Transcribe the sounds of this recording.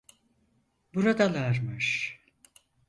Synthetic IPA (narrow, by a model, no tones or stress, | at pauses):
buɾad̪alˠaɾmɯʃ